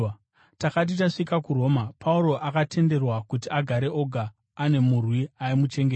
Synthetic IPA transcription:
takat̬itaʂikakuɾo̞ːmapʰauɾo̞ʔakatʰe̞nde̞rwakutiaɡʱaɾeʔo̞ɡʱaː | ne̞murwiaimut͡ʃe̞ŋɡe

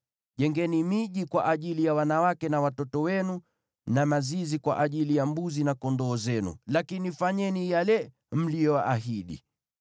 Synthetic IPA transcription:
ʄɛŋɡɛnimiʄikwaʔaʄilijawanawakɛnawatɔtɔwɛnu | namazizikwa̰ʔaʄilijambuzinakɔndɔːzɛnṵlakinifaɲɛnijalɛ | m̩lijɔwaʔaɦiɗḭ

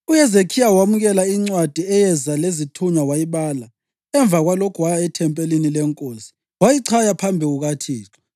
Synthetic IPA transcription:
ujɛzekʰijawamuɣɛlaiŋ͡ǀwad̥ʱiɛjɛzalezitʰuɲawajiβaːla | ɛɱb̪vʱaɣwalokʰuwajaɛtʰɛmpʼelinilɛŋkʼosi̥ | wajiǀʰajapʰambʱiɣuɣatʰiːǁɔ

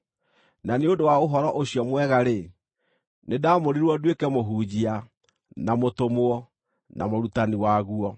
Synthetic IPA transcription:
naneodowaoɦɔɾɔʔoɕjɔmwɛɣaɾe | nedaːmoɾiɾwɔdwekɛmoɦuːd͡ʑia | namotomoɔ | na̰moɾutaniwaɣuɔ

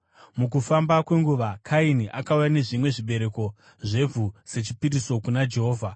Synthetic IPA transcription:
muk̬ufambakwe̞ŋɡuʋakʰainiʔakaujane̞ʐimwe̞ʐiɓe̞ɾe̞ko̞ | ʐe̞vʱuse̞t͡ʃipiɾiso̞kunad͡ʒe̞ɦo̞ːvʱa

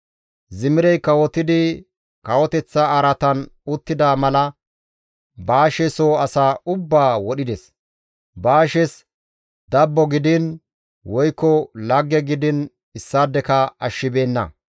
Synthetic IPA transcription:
zɪmɪɾɛjkɐwɔt̪ːɪd̪ɪ | kɐwɔt̪ɛt͡sːɐɐɾɐt̪ɐnʊt̪ːɪd̪aːmɐlɐ | baːʃɛsoːɐsaːʊbːaːwɔɗɪd̪ɛs | baːʃɛs | d̪ɐbːɔɡɪd̪ɪn | wɔjkːɔlɐɡːɛɡɪd̪ɪn | ɪsːaːd̪ːɛkɐɐʃːɪbe̞ːnːɐ̰

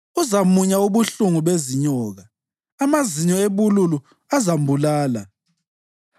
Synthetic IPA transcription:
uzamuɲauβuɬuŋuβeziɲɔːɣaː | maziɲɔeβululu | azambʱulaːla̰

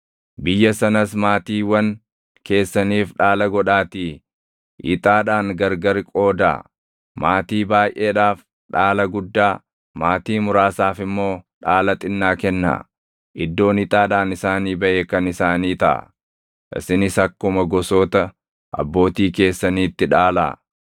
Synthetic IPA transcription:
bɪjːɐsɐnɐsmaːt̪iːwɐn | ke̞ːsːɐniːfᶑaːlɐɡɔᶑaːt̪iː | ʔɪ̰t̪ʼaːᶑaːnɡɐɾɡɐɾkʼo̞ːd̪a̰ː | maːt̪iːbaːjʔeːᶑaːf | ᶑaːlɐɡʊd̪ːaː | maːt̪iːmʊɾaːsaːfɪmːo̞ːᶑaːlɐt̪ʼɪnːaːkɛnːa̰ | ʔɪd̪ːo̞ːnɪt̪ʼaːᶑaːnɪsaːniːbɐʔeːkɐnɪsaːniːt̪ɐʔɐ̰ | ʔɪ̰sɪnɪsɐkːʊmɐɡɔsoːt̪ɐ | ʔɐ̰bːo̞ːt̪iːke̞ːsːɐniːt̪ːɪᶑaːla̰ː

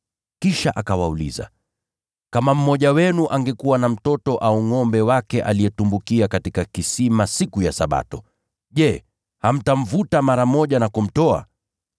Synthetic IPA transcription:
kiʃaʔakawaulḭza̰ | kamam̩mɔʄawɛnuʔaŋɡɛkuwanam̩tɔtɔʔauŋɔmbɛwakɛʔa̰lijɛtumbukiakatikakisimasikujasaɓa̰tɔ | ʄɛ | ham̩taɱ̩vutamaɾam̩mɔʄanakum̩tɔa̰

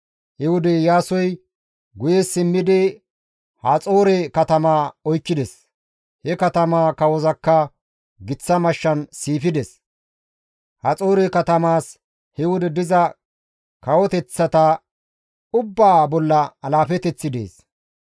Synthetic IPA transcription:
hɪwʊd̪ɛjaːsɔj | ɡʊjesɪmːɪd̪ɪ | hɐt͡sʼo̞ːɾɛkɐt̪ɐmaːɔjkːɪd̪ɛs | hɛkɐt̪ɐmaːkɐwɔzɐkːɐ | ɡɪt͡sːɐmɐʃːɐnsiːfɪd̪ɛs | hɐt͡sʼo̞ːɾɛkɐt̪ɐmaːs | hɪwʊd̪ɛd̪ɪzɐ | kɐwɔt̪ɛt͡sːɐt̪ɐ | ʊbːaːbɔlːɐɐlaːfɛt̪ɛt͡sːɪd̪ḛːs

